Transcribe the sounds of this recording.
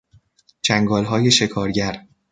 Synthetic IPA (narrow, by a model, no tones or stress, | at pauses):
d͡ʒæŋɡɒːlɦɒːje̞ʃe̞kʰɒːɾɟæɾ